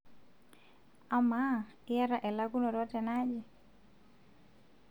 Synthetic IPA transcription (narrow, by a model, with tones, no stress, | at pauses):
a˨ma˦ɪ˦ja˦ɾa˨ʔɛ˨la˦ɡu˦nɔ˨ɾɔ˦tɛ˨na˦d͡ʒɛ˨